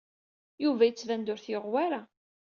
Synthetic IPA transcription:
juvæjət͡sːvænd̪ʊɾθjəʁwæɾa

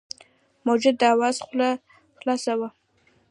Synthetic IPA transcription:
mod͡ʒɪd̪aːwaːsχʷʊla | χlaːsawɐ

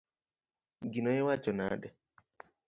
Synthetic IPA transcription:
ɡinɔɛwat͡ʃɔna̰dɛ

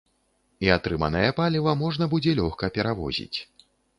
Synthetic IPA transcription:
iat̪ɾɨma̰nɐjɐpalʲivɐmɔʐnɐbud͡zʲɛlʲɔxkɐpʲɛɾavɔ̰zʲḭt͡sʲ

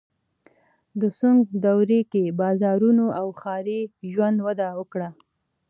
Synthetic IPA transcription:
d̪əsuŋɡd̪awɾekebɑzɑɾunoʔawxɑɾeʒwand̪wad̪awəkɽa

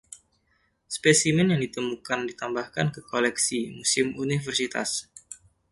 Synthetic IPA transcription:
spesimɛnjaŋdit̪əmukandit̪ambahkankəkolɛksimusɪmunifərsit̪a̰s

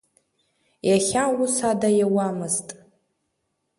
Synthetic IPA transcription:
jaχʲausadajawamɨztʼ

